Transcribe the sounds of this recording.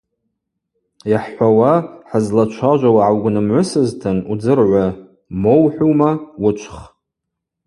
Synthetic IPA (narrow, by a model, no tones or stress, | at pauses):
jaħʷawaħazlat͡ʃʷʰaʒʷawaʕawɡʷnɨmʕʷʊsɨztʰɨnud͡zɨrʕʷa | mowħʷuwmawʊt͡ʃʷʰχ